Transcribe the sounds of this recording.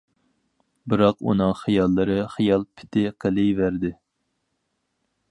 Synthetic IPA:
bɨɾɑqṵnɨŋχijɑlˠːɨɾɨχijɑlˠpʰɪ̥t̪ʰɪqʰəlˠɨjvæɾd̪ɪ

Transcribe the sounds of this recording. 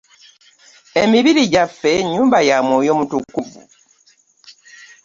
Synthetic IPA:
emiβiɾiɟafːe̞ɲːuːmbajamoːjo̞mutukːuvṵ

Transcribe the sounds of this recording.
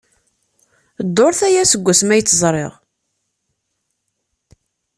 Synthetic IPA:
d̪ˤːoɾθæjæsəɡʷːæsmæjət͡sːzˤɾˤḛʁ

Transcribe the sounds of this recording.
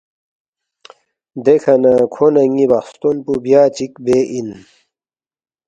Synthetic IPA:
d̪ekʰɐnakʰonɐŋibɐxst̪onpubjaːt͡ɕikbeʔin

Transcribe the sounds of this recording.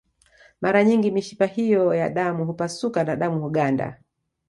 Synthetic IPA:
maɾaɲiŋɡimiʃipahijɔjaɗamuɦupasukanaɗamuhuɠanda̰

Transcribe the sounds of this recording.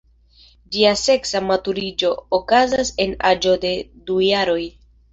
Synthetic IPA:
d͡ʒiase̞ksamatuɾid͡ʒo̞ːkazase̞nad͡ʒo̞de̞dujaɾo̞j

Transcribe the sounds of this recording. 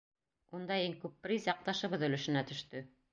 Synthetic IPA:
und̪ɑiŋkʉpːɾizjɑq̚t̪ɑʃɤ̆βɤðɵ̆lɵ̆ʃɘ̆næt̪ɵ̆ʃt̪ɵ

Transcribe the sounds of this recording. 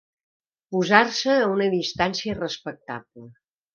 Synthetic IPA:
puzarsəːunəðist̪ansiərəspək̚t̪a̰blə

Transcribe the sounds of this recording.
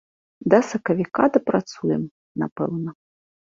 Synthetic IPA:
d̪ɐsɐkɐvʲikad̪ɐpɾat̪sujɛm | na̰pɛ̰wnɐ

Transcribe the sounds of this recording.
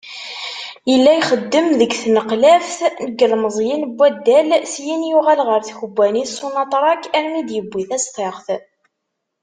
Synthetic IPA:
jəlːæjχəd̪ːəmðəɡθnəqlæfθnəɡːəlməzˤjinbːæd̪ːælsjinjuʁælʁəɾθçbʷːænisunɑt̪ˤɾˤɑkæɾmid̪jəbʷːiθæst̪ˤeʁθ

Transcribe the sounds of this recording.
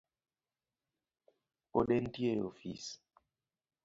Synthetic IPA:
poɗen̩tjeo̰fḭs

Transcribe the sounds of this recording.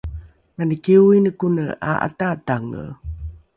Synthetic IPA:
manəkewinəkunəʔa̰ʔa̰tataŋə̰

